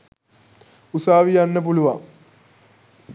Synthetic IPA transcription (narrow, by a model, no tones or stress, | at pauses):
usaːʋijanːəp̬uluʋa̰m